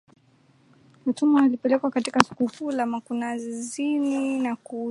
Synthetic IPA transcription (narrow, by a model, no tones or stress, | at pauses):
m̩tumaalipɛlɛkwakatikasu̥kukulamakunazininaku